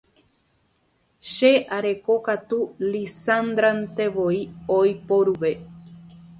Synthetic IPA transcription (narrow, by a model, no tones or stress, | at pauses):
ʃe̞ʔaɾe̞kokat̪ulisand̪ɾant̪e̞ʋoiojpoɾuʋe